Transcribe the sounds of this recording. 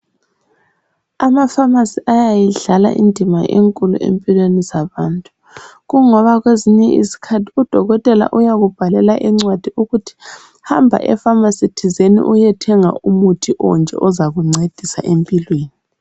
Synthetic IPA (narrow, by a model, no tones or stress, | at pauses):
amafamasiʔajajiɮala̰ʔḭndʱima̰ʔḛŋkʼulṵʔḛmpʼilwenizaβaːntʼu | ɣuŋɔβaɣweziɲɛʔḭsi̥kʰatʰi̥ud̥ʱɔɣɔtʼɛla̰ʔujaɣub̥ʱalɛlaʔiŋ͡ǀwad̥ʱiuɣutʰi̥ | hambʱa̰ʔɛ̰famasitʰizenḭʔujɛtʰɛŋa̰umutʰiʔɔ̰nd͡ʒʱɛ̰ʔɔzaɣuŋ͡ǀed̥ʱisa̰ʔempʼilweːni